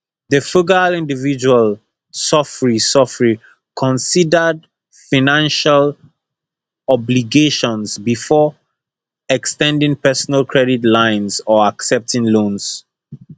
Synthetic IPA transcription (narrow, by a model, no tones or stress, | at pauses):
ðəfuɡəalĩndivid͡ʒual | sɔfɹisɔfɹi | kʰɔ̃nsidəd | fanãnʃal | ɔbliɡeʃɔ̃nsbifɔ | ɛkstɛ̃ndĩŋpɛsɔnalkʰɹɛditlãɪ̃nsɔaksɛp̚tʰĩŋlõns